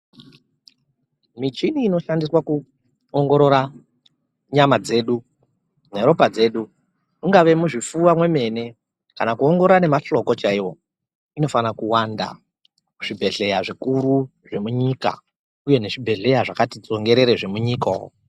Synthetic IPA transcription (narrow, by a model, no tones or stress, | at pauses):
mit͡ʃiniːno̞ʃandiswaku | oŋɡo̞ɾo̞ɾa | ɲamad͡ze̞ːɗu | ne̞ɾo̞pad͡ze̞ːɗu | muŋɡaʋe̞muʐifuwamwe̞me̞ne̞ | kanakuo̞ŋɡorane̞maɬo̞ko̞t͡ʃaiwo̞ | ino̞fanakuwanda̰ | kuʐibʱe̞ɬe̞jaʐikuɾuʐe̞muɲiːka̰ | uje̞ne̞ʐibʱe̞ɮe̞jaʐakatid͡zo̞ŋɡe̞ɾe̞ɾeʐe̞muɲiːkao̰